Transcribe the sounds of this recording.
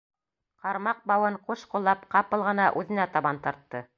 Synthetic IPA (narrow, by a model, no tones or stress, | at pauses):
qɑɾmɑq̚bɑwɤɴquʃqŏlˠːɑpqɑpɤ̆lˠʁɤ̆nɑʔʉðɘ̆næt̪ɑβɑnt̪ɑɾt̪ːɤ